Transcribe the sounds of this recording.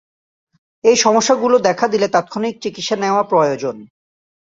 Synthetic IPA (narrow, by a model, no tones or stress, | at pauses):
ejʃɔmoʃːaɡulod̪ɛkʰad̪ilet̪at̪̚kʰonik̚t͡ɕikit̪ʃeneoapɾojod͡ʑon